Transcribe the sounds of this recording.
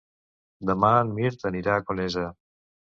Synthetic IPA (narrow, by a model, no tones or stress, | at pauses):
d̪ɐmaːnmiɾt̪ɐniɾaːkonezɐ